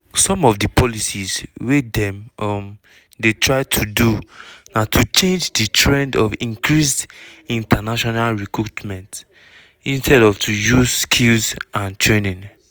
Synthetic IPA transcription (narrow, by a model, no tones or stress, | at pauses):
sɔ̃mɔvdipʰɔlisizwedɛ̃mɔm | detʰɹaɪtʰudunatʰut͡ʃẽnd͡ʒditɹɛ̃ndɔvĩŋkɹisdĩntanaʃɔnalɹikɹutmɛ̃nt | ĩnstɛdɔvtʰujuzskʰilzãntʰɹenĩn